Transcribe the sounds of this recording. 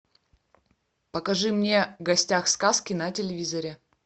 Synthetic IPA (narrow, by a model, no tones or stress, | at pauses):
pəkɐʐɨmnʲe̞ɡɐsʲtʲaxskaskʲɪnɐtʲɪlʲɪvʲizɐɾʲɪ